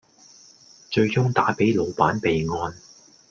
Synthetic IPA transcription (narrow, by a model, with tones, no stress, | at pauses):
t͡ʃɵ˧ɥt͡sʊ˥ŋt̪aː˨˥pe˨˥jlo˨˧wpaː˨˥npe˨jŋɔː˧n